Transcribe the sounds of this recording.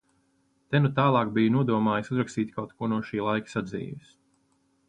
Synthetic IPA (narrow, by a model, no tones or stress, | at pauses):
t̪ɛnut̪aːlˠɑːk̚bijunuɔd̪uɔmaːjsuzɾakst̪iːt̪ʲkawt̪kuɔnuɔʃiːlˠajki̥sad̪zḭːʋis